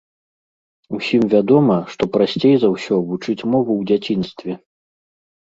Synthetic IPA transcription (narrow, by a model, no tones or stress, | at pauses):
usʲimvʲad̪ɔmɐʂt̪ɔpɾasʲt͡sʲejzɐwsʲɔvut͡ʂɨt͡sʲmɔvuwd͡zʲat͡sʲinst̪vʲɛ